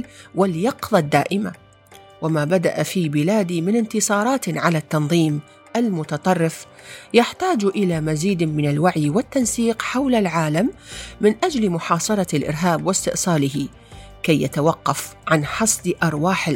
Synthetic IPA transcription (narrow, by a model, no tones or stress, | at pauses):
waljɑqðˤɑd̪ːa̰ːʔɪma̰ | wamaːbad̪a̰ʔafiːbɪlaːd̪imɪnɪnt̪ɨsˤɑːɾˤɑːt̪ʕalat̪ːɑnðˤiːm | ʔalmʊt̪ɑt̪ˤɑrˤːɪf | jaħt̪aːd͡ʒʔɪlaːmaziːd̪mɪnalwaʕjwɪt̪ːansiːqħawlalʕaːlamːɪnʔad͡ʒlmʊħɑːsˤɑɾˤɑlʔɪ̰ɾɦaːbwɪst̪ɪʔsˤɑːlɪɦɪ | kajːat̪awɑqːɑfʕanħɑsˤd̪ʔɑɾˤwaːħɪ